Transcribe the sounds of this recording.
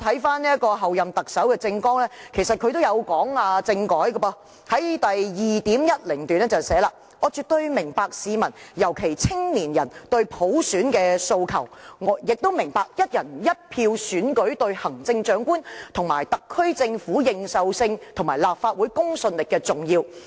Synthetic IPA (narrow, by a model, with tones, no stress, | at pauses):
t̪ʰɐ˨˥jfaː˥nni˥ɐ˥t̚kɔː˧ɦɐ˨wjɐ˨mt̪ɐ˨k̚sɐ˨˥wkɛː˧t͡sɪ˧ŋkɔː˥ŋlɛː˥kʰe˨˩jsɐ˨t̚kʰɵ˧ɥt̪o˥wjɐ˨˧wkɔː˨˥ŋaː˧t͡sɪ˧ŋkɔː˨˥jkːbɔ˧ | hɐ˨˥jt̪ɐ˨jjiː˨˩t̪iː˨˥mjɐ˥t̚lɪ˨˩ŋt̪yː˨nɛː˥t͡sɐ˨wsɛː˨˥laː˨ | ŋɔː˨˧t͡syː˨t̚t̪ɵ˧ɥmɪ˨˩ŋpaː˧k̚siː˨˧mɐ˨˩njɐ˨˩wkʰe˨˩jt͡sʰɪ˥ŋniː˨˩njɐ̰˨˩nt̪ɵ˧ɥpʰo˨˥wsyː˨˥nkɛː˧so˧wkʰɐ˨˩wŋɔ˨˧jɪ˨k̚t̪o˥wmɪ˨˩ŋpaː˧k̚jɐ˥t̚jɐ˨˩njɐ˥t̚pʰiː˧wsyː˨˥nkɵ˨˥ɥt̪ɵ˧ɥhɐ˨˩ŋt͡sɪ˧ŋt͡ʃœː˨˥ŋkuː˥nt̪ʰʊ˨˩ŋmaː˨˩jt̪ɐ˨kʰːɵ˥ɥt͡sɪ˧ŋfuː˨˥jɪ˧ŋsɐ˨wsɪ˧ŋt̪ʰʊ˨˩ŋmaː˨˩jlaː˨p̚faː˧t̚wuː˨˥jkʊ˥ŋsɵ˧nlɪ˨kːɛː˧t͡sʊ˨ŋjiː˧w